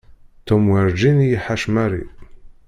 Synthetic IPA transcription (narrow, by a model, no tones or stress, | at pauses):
t̪omwiɾd͡ʒinjiħaʃmæɾḭ